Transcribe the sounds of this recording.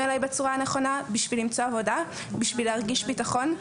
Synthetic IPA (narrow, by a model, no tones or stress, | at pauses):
elajbet͡suʁaneχo̞nabiʃvilimt͡so̞avo̞da | biʃvileaʁɡiʃbitaχo̞n